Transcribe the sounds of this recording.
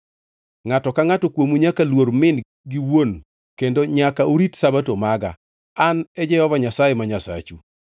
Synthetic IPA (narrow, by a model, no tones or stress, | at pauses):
ŋatɔkaŋatɔkwomuɲakalwoɾmɪn | ɡiwon | kendoɲakaʔoɾitsabatomaɡa̰ː | nɛd͡ʒɛhɔvaɲasajemaɲasa̰t͡ʃu